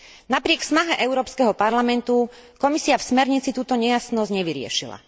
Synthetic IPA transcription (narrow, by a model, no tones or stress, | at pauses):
napɾɪɛksnaɦɛʔɛʊɾɔːpskɛɦɔpaɾlamɛnt̪u | kɔmisiafsmɛɾɲit͡sit̪uːt̪ɔɲɛjasnɔzɟɲɛʋiɾɪɛ̰ʃila̰